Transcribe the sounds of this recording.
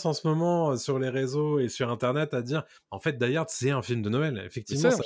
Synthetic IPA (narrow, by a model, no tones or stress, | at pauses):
sɑ̃səmɔmɑ̃øsyʁleʁezoesyʁɛ̃t̪ɛʁnɛt̪ad̪iːʁ | ɑ̃fɛt̪̚d̪ajɛʁsɛɛ̃filmd̪ənɔɛlḛfɛk̚t̪ivm̃s